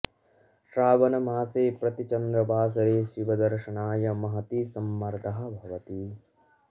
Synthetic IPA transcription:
ʃɾaːʋɐnɐmaːseːpɾɐt̪it͡ʃɐnd̪ɾɐbʱaːs̬ɐɾeːʃiʋɐd̪ɐɾʂɐɳaːjɐmɐɦɐt̪isɐmːɐɾd̪ʱɐɦɐ̆bʱɐʋɐt̪i

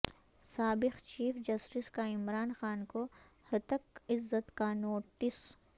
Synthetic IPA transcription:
saːbɪxt͡ʃiːfd͡ʒɐsʈɪskaɪmɾaːnxaːnko | hɐt̪əkɪzːət̪kanoːʈɪs

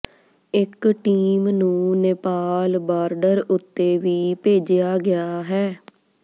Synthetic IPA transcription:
ɪkʈiːmnũːnɪpaːlbaːɾɖəɾʊt̪ːeːʋiːpeːd͡ʒɪjaːɡɪaːɦɛː

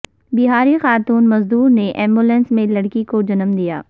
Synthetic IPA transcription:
bɪɦaːɾixaːt̪uːnmɐzd̪uːɾneʔɛːmbuːlɛ̃nsmẽlɐɽkikod͡ʒɐnəmd̪ijaː

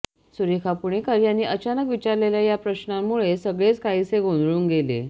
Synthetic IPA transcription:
suɾikʰapuɳ̃ekəɾjanːiːʔət͡ɕanəkʋit͡ɕaɾleljajapɾəɕnamːuɭesəɡɭet͡skaiseɡond̪ɭuːŋɡelḛ

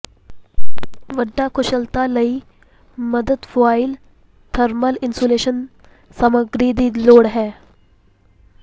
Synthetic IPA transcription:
ʋəɖːakʰʊʃəlt̪aləi | məd̪əd̪fʰʋaːɪl | t̪ʰəɾməlɪnsoːleːʃən | səməɡɾiːd̪iːloːɽɦɛː

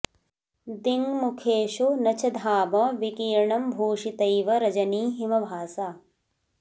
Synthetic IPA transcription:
d̪iŋmukʰeːʃunɐt͡ʃʰɐd̪ʱaːmɐʋikiːɾɳɐmbʱoːʂit̪ɐjʋɐɾɐd͡ʒɐniːɦimɐbʱaːsaː

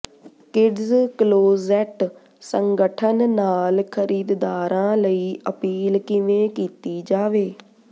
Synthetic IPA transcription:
kɪɖzkloːzɛʈ | səŋɡəʈʰənːaːlkʰəɾiːd̪d̪aːɾãːləiːʔəpiːlkɪʋẽːkiːt̪iːd͡ʒaːʋeː

